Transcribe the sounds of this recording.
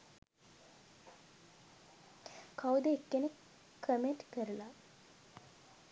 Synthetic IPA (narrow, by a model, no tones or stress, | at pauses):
kʰawd̪eːkːenekʰː | əmenʈkəɾula